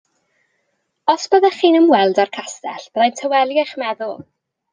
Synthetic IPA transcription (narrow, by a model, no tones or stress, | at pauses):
ɔsb̥əðaχiːnəmwɛlˠdarkʰastɛɬb̥əðajntʰəwɛlˠjɪχmɛðʊlˠ